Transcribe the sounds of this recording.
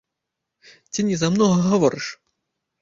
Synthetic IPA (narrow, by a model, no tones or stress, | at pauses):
t͡sʲinʲɛzamnɔɣɐɣavɔɾɨʂ